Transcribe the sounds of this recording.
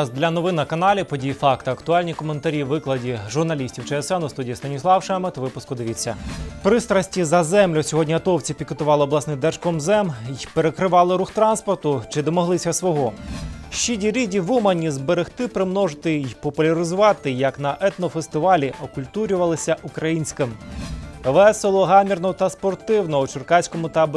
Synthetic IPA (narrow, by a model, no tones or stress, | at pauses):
zd̪lʲɐnɔʋɪnɐkɐnɑlʲipɔdʲijifɑkt̪ɐɐkt̪ʊɑlʲnʲikɔment̪ɐɾʲiʋːɪklˠɐdʲiʒʊrnɐlʲisʲtʲiwt͡ʃɛɛsɛnʊst̪udʲijist̪ɐnʲislˠɑwʃɛmɐt̪ʋɪpʊskʊd̪ɪʋʲit͡sʲːɐ̰pɾɪst̪ɾɐsʲtʲizɐzɛmlʲʊsʲɔɦɔdʲnʲiɐt̪ɔwt͡sʲipʲiket̪ʊʋɑlˠɪɔblˠɑsnɪd̪ɛrʃkɔmzɛmpeɾekɾɪʋɑlˠɪɾuxt̪ɾɑnspɔrt̪ʊt͡ʃɪd̪ɔmɔɦlˠɪsʲɐsʋɔɦɔʃt͡ʃidʲiɾʲidʲiʋumɐnʲizbeɾɪxt̪ɪpɾɪmnɔʒɪt̪ɪjpɔpʊlʲɐɾɪzʊʋɑt̪ɪjɐknɐʔɛt̪nɔfest̪ɪʋɑlʲiʔɔkʊlʲt̪uɾʲʊʋɐlˠɪsʲɐʔukɾɐjinʲsʲkɪm | ʋɛselˠɔɦɑmʲirnɔt̪ɐspɔrt̪ɪwnɔut͡ʃɪrkɑsʲkɔmʊt̪ɐb